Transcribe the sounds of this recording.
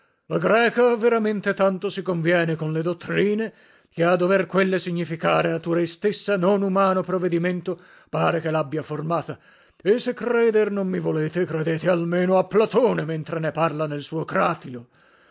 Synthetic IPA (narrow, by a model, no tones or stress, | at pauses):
laɡɾɛːkaveɾament̪et̪ant̪osikoɱvjɛːnekonled̪ot̪ːɾiːne | kead̪ːoverkwelːesiɲːifika̰ːɾenat̪uːɾaist̪esːanonumaːnopɾoved̪iment̪o | paːɾekelabːjaformaːt̪a | esːekːɾɛːd̪ernommivoleːt̪ekɾed̪eːt̪ealmeːnoapːlat̪oːnement̪ɾeneparlanelsuːokɾaːt̪ilo